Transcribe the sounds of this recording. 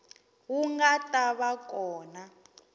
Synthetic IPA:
wuŋɡatʼaβak̬ʼɔːna

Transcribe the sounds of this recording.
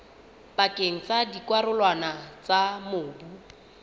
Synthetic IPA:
pakʼeŋ̩t͡sadikwaɾʊlwanat͡samoːbu

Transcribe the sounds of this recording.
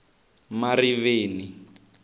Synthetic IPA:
mariβeːni

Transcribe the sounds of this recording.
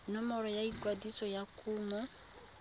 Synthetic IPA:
nɔmɔɾɔjaiɡwadisɔjakumɔ

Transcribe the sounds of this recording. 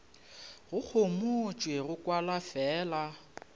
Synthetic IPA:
ɣʊk͡xʰomot͡ʃʼweɣʊkʼwalafɛːla

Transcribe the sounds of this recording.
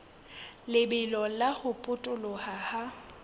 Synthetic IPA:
lɪbɪlɔlahʊpʼʊtʼʊlʊhaha

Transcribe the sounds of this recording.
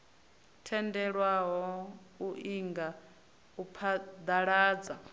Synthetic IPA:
tʰɛndɛɺwaɦɔ | uʔiŋɡa | upʰad̪aɺaːd͡za

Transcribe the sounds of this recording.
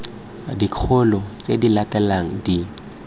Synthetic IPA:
dikʰʊlɔt͡sʼedilatɛlaŋ̩di

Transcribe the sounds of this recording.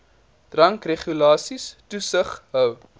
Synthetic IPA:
d̥rɐŋkreχulɑːsistusəχɦœw

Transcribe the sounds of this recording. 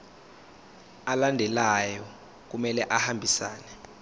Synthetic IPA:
alandʱɛlajɔ | k̬umɛlɛʔahambʱisaːnɛ

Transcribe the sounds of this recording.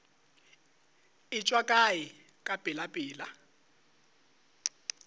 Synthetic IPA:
ɪt͡ʃʼwakʼaji | kʼab̥ʼɪlapʼiːla

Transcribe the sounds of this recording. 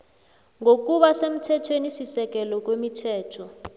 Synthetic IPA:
ŋok̬uɓasem̩tʰɛtʰwenisisɛk̬ʼɛlɔk̬wemitʰɛːtʰɔ

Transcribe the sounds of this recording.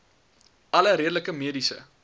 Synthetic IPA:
ɐləɾiədələkəmiədisə̰

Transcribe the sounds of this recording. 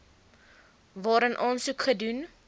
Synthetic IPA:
vɑːɾənʔɑːnsukχədun

